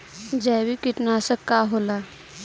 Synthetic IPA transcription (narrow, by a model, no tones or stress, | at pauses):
d͡ʒɛːbikɪʈnasəkːaɦola